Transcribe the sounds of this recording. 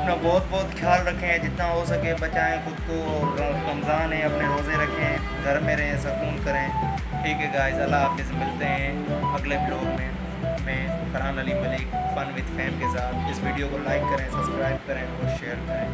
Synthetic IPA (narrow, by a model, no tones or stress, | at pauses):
ɐpnabɔːt̪̚bɔːt̪xʰjaːlɾɐkʰːẽɛ̃d͡ʒɪt̪naɦosɐkẽbɐt͡ʃaːẽxʊd̪koɐɾɐmzaːnɦɛ̃ɐpneɾoːzẽɾɐkʰːẽ | ɡʱɐɾmːẽɾɐɦẽsɐkuːnkɐɾẽː | ʈʰiːkɦɛɡaːɪzɐlːaaːfɪzmɪlt̪eɦɛ̃ː | ɐɡlebloːɡmẽ | mẽːfɐɾaːnɐliːmɐliːkpɐnʋɪt̪fʰɛ̃ːmkesaːt̪ɪsʋiːɖijokolaːɪkːɐɾẽːsɐbskɾaːɪb̚kɐɾẽɔːɾʃeːəɾkɐɾẽː